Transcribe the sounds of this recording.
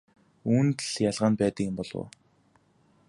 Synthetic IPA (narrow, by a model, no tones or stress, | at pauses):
uːnt̪ɮ̥jaɮʁaːnpæːt̪ə̆kɪ̆mpɔɮwo̰ː